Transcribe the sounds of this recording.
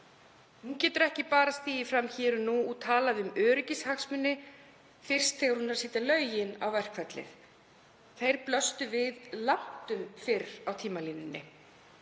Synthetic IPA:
huncɛːt̪ʏɾɛhcɪpaːɾast̪iːjɪfɾamçɛːɾʏnuːɣt̪ʰaːlaðʏmœːɾɪcɪshaksmʏnːɪ | fɪr̥st̪θɛːɣaɾhunːaɾ̥siːt̪alœːɥjɪna̰wvɛr̥kʰvɛt̪lɪ̰θ | θejɾ̥plœst̪ʏvɪðlan̥t̪ʏmfɪrawt̪ʰiːmaliːnːɪnːɪ

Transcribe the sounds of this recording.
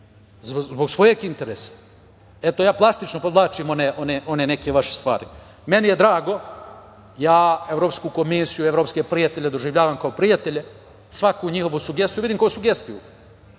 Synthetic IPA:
zzbo̞ɡsʋo̞je̞ɡint̪e̞ɾeːsḁ | et̪o̞jaːplˠast̪it͡ʃnopod̪lˠaːt͡ʃiːmo̞neʔo̞neʔo̞nene̞keʋaʃest̪ʋa̰ːɾi | me̞nijed̪ɾaːɡo̞ | jaːeʋɾo̞pskuko̞misijue̞ʋɾo̞ːpskepɾijat̪e̞ʎʲed̪o̞ʒiʋʎaːʋamkaopɾijat̪e̞ʎe̞ | sʋakuɲiho̞ʋusuɡest̪juid̪imkojosuɡe̞st̪iju

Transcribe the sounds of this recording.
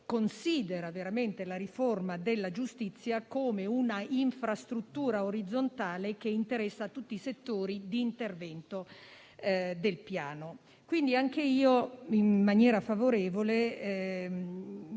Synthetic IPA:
konsiːd̪eɾaveɾament̪elaɾiformad̪elːad͡ʒust̪it̪sːjakoːmeunaiɱfɾast̪ɾut̪ːuːɾaoɾid̪zːont̪aːlek̟eint̪eɾɛsːaːt̪ːut̪ːiːset̪ːoːɾid̪iːnt̪ervɛnt̪o | d̪elpjaːno | kwind̪iaŋk̟eiːoimːanjɛːɾafavoɾeːvole

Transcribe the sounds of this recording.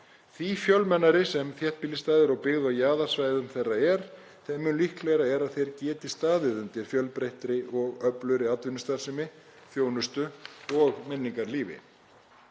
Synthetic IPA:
θvifjœlmɛnːaɾɪsɛmθjɛht̪piːlɪst̪aːðɪɾɔɣpɪɣðajaːðaɾ̥svaːjðʏmθejrːaɛɾ̥ | θɛmːʏnlihklɛjɾaɛɾaðθejɾcɛːt̪ɪ̥st̪aːðɪðʏnt̪ɪɾ̥fjœlpɾejht̪ɾɪʔɔɣœplʏɾɪat̪vʏnʏst̪aɾ̥sɪmɪ | θjoːwnʏst̪ʏɔɣmɛnːiŋkaɾliːvɪ̰

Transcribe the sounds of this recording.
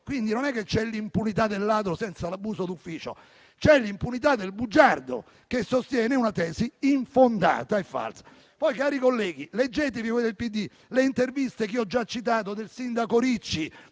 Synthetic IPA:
kwind̪inonɛkːet͡ʃːɛlːimpunit̪ad̪ːelːaːd̪ɾosɛnt̪salabːuːsod̪ufːiːt͡ʃo̰ | t͡ʃɛlːimpunit̪ad̪ːelbud͡ʒard̪o̰ | kesːost̪jɛːneunat̪ɛːsiiɱfond̪a̰ːt̪aefːa̰lsḁ | pɔjkaːɾikolːɛːɡ̟iled͡ʒːeːt̪̬evivɔjd̪elpid̪ːi | leint̪ervist̪ek̟iɔd͡ʒːat͡ʃːit̪aːt̪̬od̪elsind̪akoɾit͡ʃːi

